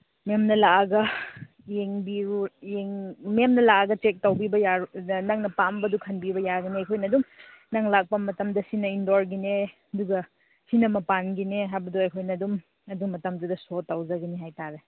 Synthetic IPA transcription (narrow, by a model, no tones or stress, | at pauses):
memnɐlaaɡɐ | jeŋbiɾujeŋmemnɐlaaɡɐt͡ʃek̚tawbibɐjanaŋnɐpambɐdukʰɐnbibɐjaɡineɐjkʰojnɐdumnaŋlak̚pɐmɐtɐmdɐsinɐindoɾɡineɐduɡɐ | sinɐmɐpanɡineɦajbɐduɐjkʰojnɐdum | ɐdumːɐtɐmdudɐsotːawzɐɡiniɦajtaɾe